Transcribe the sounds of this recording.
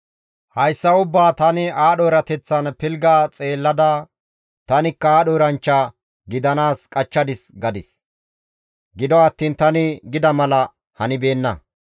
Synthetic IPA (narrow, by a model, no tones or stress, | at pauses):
hɐjsːɐʊbːaːt̪ɐnɪaːɗoːɾɐt̪ɛt͡sːɐnpɪlɡaːt͡sʼe̞ːlːɐd̪ɐ | t̪ɐnɪkːɐaːɗoːɾɐnt͡ʃːɐ | ɡɪd̪ɐnaːskʼɐt͡ʃːɐd̪ɪsɡɐd̪ɪs | ɡɪd̪ɔɐt̪ːiːnt̪ɐnɪɡɪd̪ɐmɐlɐ | hɐnɪbe̞ːnːɐ